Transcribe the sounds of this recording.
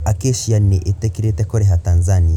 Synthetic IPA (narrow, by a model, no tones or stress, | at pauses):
akiʃianːiʔitɛkiɾitɛkɔɾɛɦatanzani